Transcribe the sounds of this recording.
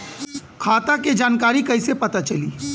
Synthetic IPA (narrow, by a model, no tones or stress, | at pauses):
kʰaːt̪aked͡ʒaːnkaːɾikəɪsepət̪at͡ʃəliː